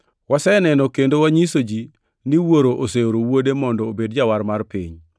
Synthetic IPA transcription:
wasɛnɛnɔkendowaɲisod͡ʒi | niwoɾoʔoseoɾowodemɔndɔːbedd͡ʒawarmarpiɲ

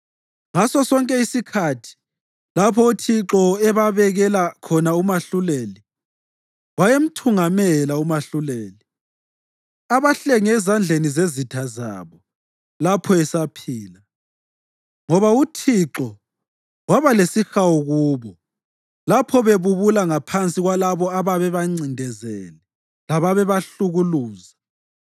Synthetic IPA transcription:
ŋasɔsɔŋkʼɛisikʰatʰi̥ | lapʰɔutʰiǁɔɛβaβɛɣɛlakʰɔnaumaɬuleli | wajem̩tʰuŋamɛlaumaɬuleːli | aβaɬɛŋɛzand͡ɮʱenizezitʰaza̰βɔ | lapʰɔɛsapʰiːla | ŋɔβautʰiǁɔ | waβalesixaɔɣuːβɔ | lapʰɔβeβuβulaŋapʰant͡sʼiɣwalaβɔaβaβɛβaŋ͡ǀindʱɛzɛlɛ | laβaβɛβaɬuɣuluːza

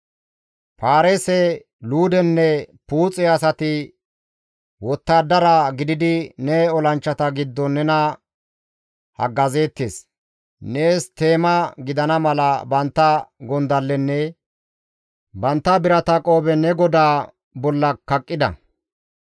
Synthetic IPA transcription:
paːɾesɛ | luːd̪ɛnːɛpuːt͡sʼɛɐsɐt̪ɪ | wɔt̪ːaːd̪ɐɾaɡɪd̪ɪd̪ɪnɛɔlɐnt͡ʃːɐt̪ɐɡɪd̪ːɔnɛnɐ | hɐ̰ɡɐze̞ːt̪ːeːs | ne̞ːst̪e̞ːmɐɡɪd̪ɐnɐmɐlɐbɐnt̪ːɐɡɔnd̪ɐlːɛnːɛ | bɐnt̪ːɐbɪɾɐt̪ɐkʼo̞ːbɛnɛɡɔd̪aː | bɔlːɐkːɐkʼːɪd̪ɐ̰

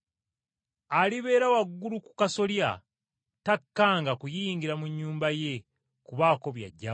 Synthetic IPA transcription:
aliβe̞ːɾawaɡːuluku̥kaso̞lja | takːaːŋɡakujiːŋɡiɾamuɲːuːmbaje̞ | kuβaːko̞βja̰ɟːa

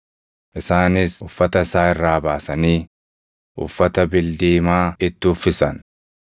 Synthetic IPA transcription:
ʔɪsaːnɪsʊfːɐt̪ɐɪsaːɪrːaːbaːsɐniː | ʔʊ̰fːɐt̪ɐbɪld̪iːmaːɪt̪ːɪʊfːɪsɐn

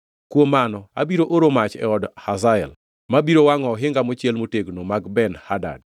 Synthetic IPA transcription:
kwomanɔa̰biɾoʔoɾomat͡ʃɛ̰ɔdhazaɛl | mabiɾowaŋɔɦɪŋɡamot͡ʃjelmoteɡnomaɡbɛnhada̰d̚

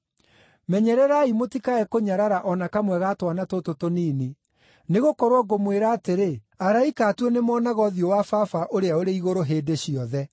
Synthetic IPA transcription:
mɛɲɛɾɛɾaimotikaɛkoɲaɾaɾaʔɔnakamwɛɣatwanatototoniːni | neɣokɔɾwɔɡomweɾaːteɾe | aɾaikaːtwɔnemɔnaɣɔðiowafafaʔoɾeaoɾeiɣoɾoɦeːdeɕiɔðɛ

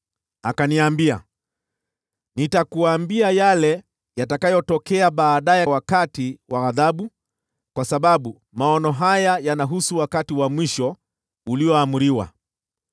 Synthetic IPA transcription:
akaniambia̰ | nitakuambiajalɛ | jatakajɔtɔkɛaɓaːɗajɛawakatiwaɣaðaɓu | kwasaɓaɓu | maɔnɔɦajajanaɦusuwakatiwamwiʃɔ | uliɔamuɾiwa̰

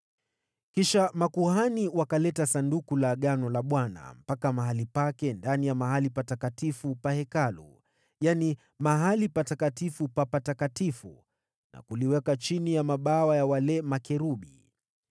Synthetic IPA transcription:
kiʃamakuhaniwakalɛtasandukulaɠanɔlaɓwana̰m̩pakamaɦalipakɛndanijamaɦalipatakatifupahɛkalṵ | jani | maɦalipatakatifupapatakatifṵ | na̰kuliwɛkat͡ʃinijamaɓawajawalɛmakɛɾuɓi

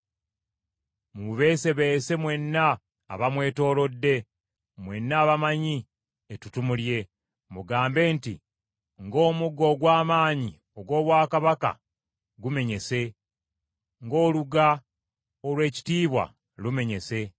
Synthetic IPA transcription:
muβe̞ːse̞βese̞mwe̞nːa̰ː | βamwe̞ːto̞ːlo̞dːe̞ | mwe̞nːaːβamaɲi | etutumulje̞ | muɡaːmbe̞ːnti | ŋɡo̞ːmuɡo̞ːɡwaːmaːɲi | o̞ɡwo̞ːβwaːkaβaka̰ | ɡume̞ɲe̞se̞ | ŋɡo̞ːluɡa | olwe̞ːci̥tiːβwa̰ | lume̞ɲe̞se̞

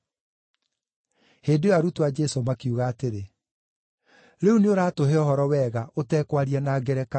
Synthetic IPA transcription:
heːdewaɾutwad͡ʒɛsomakiuɣaːteɾe | ɾeuneoɾaːtoɦeɔhɔɾɔwɛɣaʔotɛːkwaɾianaːɡɛɾɛka

